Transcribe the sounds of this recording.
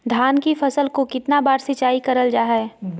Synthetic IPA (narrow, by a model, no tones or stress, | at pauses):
d̪ʱjaːnkifɐsəlkokɪt̪nabaːɾsɪt͡ʃaːikɐɾəld͡ʒaːɦɛɛː